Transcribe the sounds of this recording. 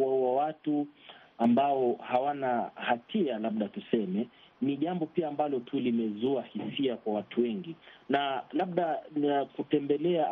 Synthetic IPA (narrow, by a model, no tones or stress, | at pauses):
wawawatuambaɔhawanahatʰialaɓ̚ɗatusɛmɛ | niʄambɔpiaːmbalɔtʰulimɛzuahisiakwawatʰuwɛŋɡinalaɓ̚ɗakutɛmbɛlɛa